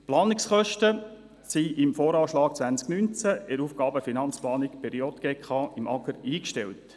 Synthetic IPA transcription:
plɑːnɪksχœʃtə | siʔɪmfoːɾɑːʃlɑːk̚t͡sʋænt͡sknynt͡sæɛɾufɡ̥ɑːbəfinɑnt͡splɑːnɪkpʰɛɾiotɡ̥eːkχɑːɪmʔɑɡəɾiːkʃtɛlt

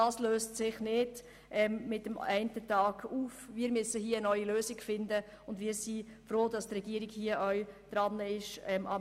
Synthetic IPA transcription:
ɑːsløːstsɪχnɪd | ʔɛmːɪtəmɛɪntətɑːɡ̥uːfʋiːɾmysəhiəənœʏiløːsɪɡ̥fɪndə | ʊndʋiːɾsifɾoːdɑstrɛɡ̥iəɾɪɡhiəʔœɥd̥ɾɑnːəɪʃɛmʔɑ

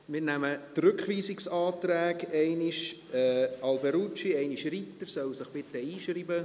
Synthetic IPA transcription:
mɪɾnæmətrʏkχʋiːsiksɑːt̪ɾæːkɛɪniʃɛɑlbɛɾut͡ʃiɛɪniʃrit̪ːəɾsœwsɪχb̥ɪt̪əiːʃɾiːbə

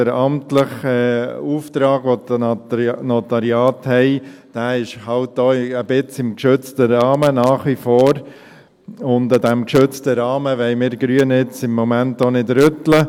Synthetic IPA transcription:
əɾɑmtləχɛuːft̪ɾɑːɡʋodənɔt̪ɑɾiɑːthɛɪd̥æːɪʃhɑlt̚doːəb̥ɪt͡sɪmkʃʏt͡stəɾɑːmənɑːχʋifoːɾ | ʊndədæmkʃʏt͡stəɾɑːməʋɛɪmɪːɾɡ̥ɾyənɪt͡sɪmːɔmæntːonɪdɾʏtlə

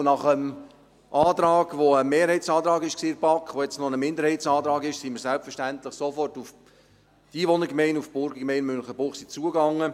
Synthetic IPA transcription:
nɑχəm | ʔɑːt̪ɾɑːɡʋoəmeːɾhɛɪtt͡sɑːd̪ɾɑːɡɪʃksiːɪɾb̥ɑkχʋojɛt͡snonəmɪnd̪əɾhɛɪtsɑːt̪ɾɑːɡɪʃsiməɾsælpfəɾʃtænt̪lɪχsɔfɔrtuf | d̥iːʋonəɡmɛɪnufb̥ʊɾɡəkmɛɪnmønχəbʊχsit͡suəɡɑŋːə

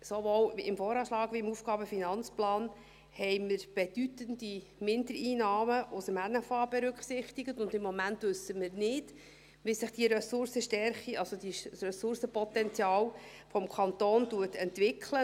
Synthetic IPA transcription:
soʋoːwɪmfoːɾɑːʃlɑːɡ̥ʋiɪmufɡ̥ɑːbəfinɑnt͡splɑːn | hɛɪməɾb̥ed̥ytəndi | mɪndəɾiːnɑːməʔʊsəmænəfɑːb̥ɛɾʏkχsɪχt̪iɡətʊndɪmːɔmæntʋɵsəmɪɾnɪd̥ | ʋɪsɪχd̥iɾɛsʊɾsəʃtɛɾχiɑlsodisrɛsʊɾsəpɔt̪ɛnt͡sjɑːl | fɔmkʰɑnt̪oːnduətɛntʋɪkʰlə

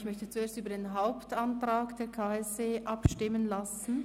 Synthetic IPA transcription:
çmœçtət͡sueːɐstyːbɐdeːnɦaʊptantʁ̥aːkd̥eːɐkʰaːɛseːʔapʃtɪmənlasn̩

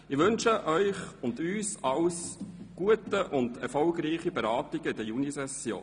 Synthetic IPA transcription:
ɪʋɵnʃəʔœʏχʊndyːsɑlsɡ̥uətəʔʊndɛɾfɔlɡɾiːχibeɾɑːtɪɡ̥əɪdəjunisɛsjo̰ː

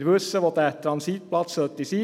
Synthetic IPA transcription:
ɾʋɵsːəʋot̪æɛt̪ʰːɾɑnsit̪̚pʰlɑt̪sœt̪ːɪsiː

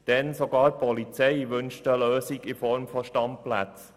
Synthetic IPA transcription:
d̥ɛnsoɡɑːɾpʰɔlit͡sɛɪʋʏnʃtəløːsiɡɪfɔɾmfɔʃtɑmplæt͡s

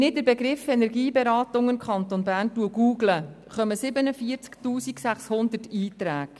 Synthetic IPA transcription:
nɪt̚dəɾbɛɡɾɪfɛnɛɾɡiːbɛɾɑːtʊŋɪmkʰχɑnt̪onbæːrntuəɡuːɡlə | χœməsɪbənəfiəɾt͡sktuːsiksæχshʊnd̪ətiːtɾæːɡ

